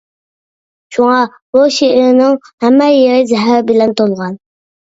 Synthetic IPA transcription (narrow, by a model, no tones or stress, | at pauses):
ʃuŋɑ | boʃeʔɪɾnɪŋhæmːɛjeɾɪd͡ʒɛɦæbɪlɛnt̪olˠʁɑn